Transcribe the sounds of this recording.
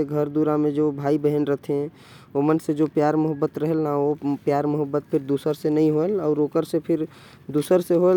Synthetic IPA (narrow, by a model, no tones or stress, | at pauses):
eɡʱəɾd̪uɾamẽd͡ʒobʱaːibəɦənɾət̪ʰeɦɛ̃ | omənsed͡ʒopjaːɾmʊɦəbːət̪ɾəɦelnaopjaːɾmʊɦəbːət̪̚pʰɪɾd̪uːsəɾsenəɦĩɦoelɔʊɾoːkəɾsepʰɪɾ | d̪uːsəɾseɦoe